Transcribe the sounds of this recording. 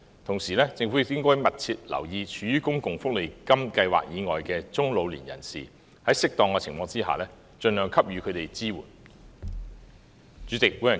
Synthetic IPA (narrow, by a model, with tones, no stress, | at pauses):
t̪ʰʊ˨˩ŋsiː˨˩lɛː˥t͡sɪ˧ŋfu˨˥ɪ˨t̪ɪ˥ŋkɔː˥jmɐ˨t̚t͡sʰiː˧t̚lɐ̰˨˩wjiː˧t͡ʃʰyː˨˧jyː˥kʊ˥ŋkʊ˨ŋfʊ˥k̚le˨˩jkɐ˥mkɐ˧jwa̰ː˨k̚jiː˨˧ŋɔ̰ː˨jkɛː˧t͡sʊ˥ŋlo˨˧wlḭː˨˩njɐ̰˨˩nsiː˨ | hɐ˨˥jsɪ˥k̚t̪ɔː˨ŋkɛː˧t͡sʰɪ˨˩ŋfɔː˧ŋt͡siː˥ɦa̰ː˨lɛː˥ | t͡ʃɵ˧nlœː˨˩ŋkʰɐ˥p̚jyː˨˧kʰɵ˨˧ɥt̪e˨jt͡siː˥wṵː˨˩n | t͡ʃyː˨˧˥t͡sɪ˨k̚wuː˨˥jɐ˨˩